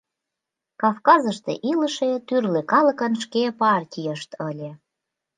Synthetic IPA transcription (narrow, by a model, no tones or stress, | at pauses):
kɑfkɑzə̆ʃt̪ḛʔilə̆ʃet̪yrlekɑlə̆kə̆nʃkepɑrtʲijəʃt̪ɤlʲe